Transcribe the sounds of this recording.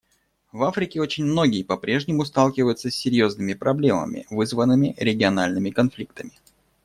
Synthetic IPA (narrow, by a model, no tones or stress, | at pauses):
vafɾʲɪkʲɪo̞t͡ɕɪnʲmno̞ɡʲɪjɪpɐpɾʲe̞ʐnʲɪmʊst̪alˠkʲɪvəjʊt̪səsʲːɪɾʲjo̞znɨmʲɪpɾɐblʲemə̰mʲɪ̰vɨzvənːɨmʲɪɾʲɪɡʲɪɐnalʲnɨmʲɪkɐnflʲik̚t̪əmʲɪ